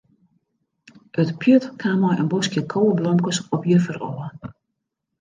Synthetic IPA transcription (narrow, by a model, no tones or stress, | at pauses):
ʔøtpʰjətkʰamɔjʔə̰nbɔskjəkʰowəblɔmkəsɔpjərfərɔ̰ə